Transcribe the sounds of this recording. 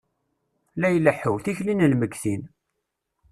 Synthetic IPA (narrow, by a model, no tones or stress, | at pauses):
læjlːəħəwθiçlinəlməɡθin